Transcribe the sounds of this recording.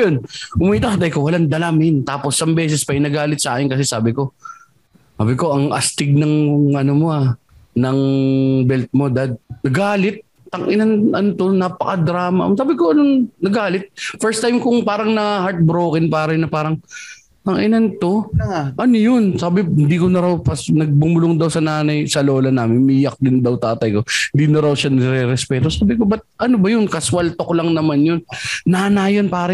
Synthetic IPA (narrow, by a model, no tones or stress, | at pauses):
jonkʊmiːt̪ɐkɐt̪ɐjkowɐland̪ɐlamɪnt̪aːposːɐmbɛːs̬ɛspɐʔɪnɐɡaːlɪt̪̚sɐaːkɪnkɐsɛsaːbɪko̞ | saːbɪko̞ʔɐŋʔɐ̰st̪ɪɡ̚nɐŋɐnomoa | nɐŋbɛlt̪̚mo̞d̪ad̪̚nɐɡaːlɪt̪̚ | t̪ɐŋʔɪnɐnʔɐnt̪onapɐkɐd̪ɾaːmɐʔsaːbɪkoʔɐnoŋnɐɡaːlɪt̪̚fɛɹst̪ajmkʊŋpaːɾɐŋnɐhaɾt̪̚bɾoːkɪnpaːɾɐnɐpaːɾɐŋ | t̪ɐŋʔɪnɐnt̪o̞ʔɐnojʊnsaːbɪhɪnd̪iːkonɐɾawpɐsnɐɡ̚bʊmʊloŋd̪ɐwsɐnaːnɐjsɐloːlɐnaːmɪnmijɐk̚d̪ɪnd̪ɐwt̪aːt̪ɐjko̞hɪnd̪inɐɾawʃanɪɾɛɾɛspɛːt̪osaːbɪko̞bɐt̪̚ʔɐnobɐjʊnkɐswɐlt̪oklɐŋnɐmanjonnaːnajonpaːɾɐ